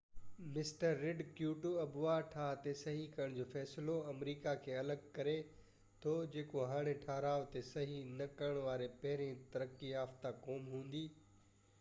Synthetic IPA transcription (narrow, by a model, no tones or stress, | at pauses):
mɪsʈəɾːɪɖkjuːʈuɐbʊʋaʈʰaːɦt̪esɐɦikɐɾəɽ̃d͡ʑoːfɛːsɪloɐmɾiːkakʰeːɐləɡ̚kɐɾe | t̪ʰod͡ʑeːkoɦaːɽ̃eʈʰaːɦɾaːʋt̪esɐɦinɐkɐɾəɽ̃ʋaːɾepɐɦɪɾẽt̪ɐɾəkːiaːft̪akɔːmɦũːn̆d̪iː